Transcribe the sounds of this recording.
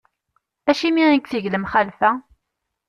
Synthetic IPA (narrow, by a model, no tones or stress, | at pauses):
æʃimiinkθəʝləmχælfæ